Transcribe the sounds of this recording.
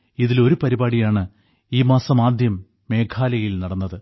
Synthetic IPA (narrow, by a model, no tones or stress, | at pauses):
iðilo̞ɾupɐɾibaːɽijaːɳɨ | iːmaːsɐmaːd̪ʱjɐmː | e̞ːkʰaːlɐjilnɐɽɐnːɐðɨ